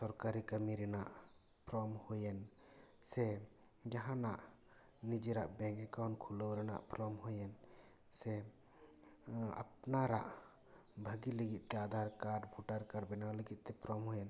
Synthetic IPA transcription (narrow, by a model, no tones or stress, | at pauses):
sɔɾkaɾikəmiɾɛnaʔ | pɾɔmhojɛn | sɛ | d͡ʒaɦanaʔ | nid͡ʒiɾaʔbɛ̃ŋkɛkawnkʰulowɾɛna̰ʔpɾɔmɦojɛn | sɛ | a̰pnaɾa̰ʔ | bʱəɡiləɡit̪̚ˀt̪ɛad̪ʱaɾkaɾɖbʱuʈaɾkaɾbɛnawləɡit̪̚ˀt̪ɛpɾɔmɦojɛn